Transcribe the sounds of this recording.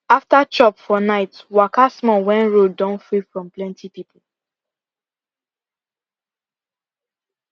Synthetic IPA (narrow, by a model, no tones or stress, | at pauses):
aftat͡ʃɔpfɔnaɪtwakasmɔwɛ̃nɹodãnfɹifɹɔ̃mplɛ̃ntʰipipʰl̩